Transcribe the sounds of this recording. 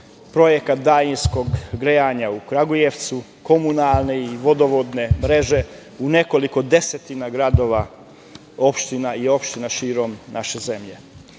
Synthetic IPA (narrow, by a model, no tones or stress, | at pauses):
pɾo̞je̞kat̪̚d̪ajinsko̞ɡɡɾejaːɲaukɾaɡojeʋt̪su | ko̞munalˠne̞iʋo̞d̪o̞ʋod̪ne̞mɾe̞ʒe̞ | une̞ko̞liko̞d̪e̞set̪inaɡɾad̪o̞ːʋa | o̞pʃt̪inaio̞pʃt̪inaʃiːɾo̞mnaʃe̞ze̞mʎe̞